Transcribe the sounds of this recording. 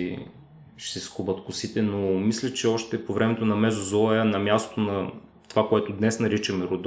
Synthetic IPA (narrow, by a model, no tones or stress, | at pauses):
ʃsɛskubət̪kʊsit̪ɛnomislʲət͡ʃɛɔʃt̪ɛpovɾɛmɛt̪onɐmɛzozɔɐnɐmʲjast̪t̪onɐ | t̪ovakoɛt̪ʊd̪nɛsnɐɾit͡ʃɐmɛɾod̪